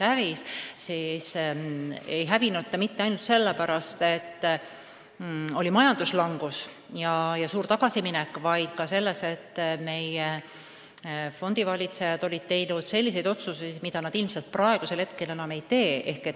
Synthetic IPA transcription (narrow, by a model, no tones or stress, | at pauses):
hævissiːs | e̞jɦævinut̪ːemit̪ːeɑjnult̪se̞lːepæɾɑst̪e̞t̪ː | o̞limɑjɑnd̪̥uslɑŋɡ̥us | jɑjɑsuːɾt̪ɑɡ̥ɑsiminɛkːˑvɑjd̪̥kɑse̞lːese̞t̪ːme̞je | fo̞nd̪̥ivɑlʲit̪se̞jɑd̪̥o̞lʲid̪̥̚t̪e̞jnud̪̥se̞lʲːis̬e̞jd̪̥o̞t̪suse̥mid̪̥ɑnɑd̪ilmselt̪̚prɑeɡ̥uselhe̞t̪ke̞le̞nɑme̞jt̪e̞ːe̞hke̞t̪